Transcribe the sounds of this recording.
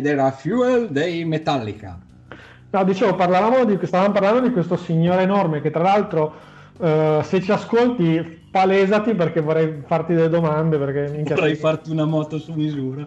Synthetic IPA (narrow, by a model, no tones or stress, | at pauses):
d̪ɛːɾafjueld̪ejmet̪alːika̰ | nɔd̪it͡ʃeːvoparlavaːmod̪ist̪avamoparland̪od̪ikwest̪osiɲːoːɾeːnormek̟et̪ːɾalalt̪ɾo | set͡ʃːiaskolt̪i | palɛːzat̪ip̬erk̟evorːɛjfart̪id̪elːed̪omand̪eperk̟emiŋkjaɛjfart̪iunamɔːt̪osumizuːɾa